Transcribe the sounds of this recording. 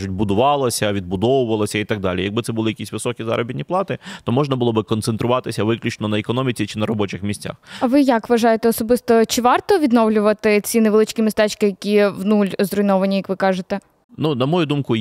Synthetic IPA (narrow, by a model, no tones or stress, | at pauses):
ʒʊt̚ʲbʊd̪ʊʋɑlˠɐsʲɐʋʲid̪̚bʊd̪ɔʋʊʋɐlˠɐsʲɐit̪ɑɡ̚d̪ɑ̰lʲḭjɐɡ̚bɪt̪ɛbʊlˠɪjɐkʲisʲʋɪsɔkʲizɑ̰ɾʔɔ̰bʲit̪ʲnʲiplˠɑt̪ɪt̪ɔmɔʒnɐbʊlˠɔbɪkɔnt̪sent̪ɾʊʋɑt̪ɪsʲɐʋɪklʲʊt͡ʃnɔnɐekɔnɔmʲit͡sʲit͡ʃɪnɐɾɔbɔt͡ʃɪxmʲisʲt͡sʲa̰xɐʋɪjɐkʋɐʒɑjet̪ɛɔsɔbɪst̪ɔt͡ʃɪʋɑrt̪ɔʋʲid̪nɔʋlʲʊʋɐt̪ɪt͡sʲineʋlˠɪt͡ʃʲkʲimʲist̪ɛt͡ʃkɪjɐkʲiʋnulʲzrɔjnɔʋɐnʲijɐkʋɪkɑʒet̪ɛ | nunɐmɔjud̪umkʊ